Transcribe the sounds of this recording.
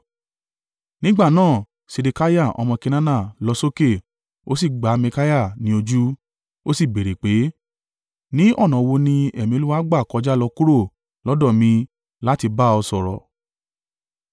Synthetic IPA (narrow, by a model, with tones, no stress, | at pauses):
nĩ˦ɡ͡ba˦˨nãː˦˨ | se˧de˧ka˦ja˦˨ɔ̰˧mɔ̃˧ke˧nã˦na˦˨lɔ˧˦so˦ke˦˨ | o̰˦s̬i˦˨ɡ͡ba˨˦mẽ˧ka˦ja˦˨nĩ˧˦o˧d͡ʒu˦ | o˦si˦˨be˨ɾe˨k͡pe˨˦ | nĩ˦ʔɔ˦˨nã˨˧wo˧nĩ˧ɛ˨mĩ˧o˧˦u˦wa˦ɡ͡ba˦˨kɔ˧d͡ʒa˦lɔ˧ku˦ɾo˦˨ | lɔ˦dɔ˦˨mĩ˧ | la˦ti˧ba˦ɔ˧sɔ˧˨ɾɔ̰˨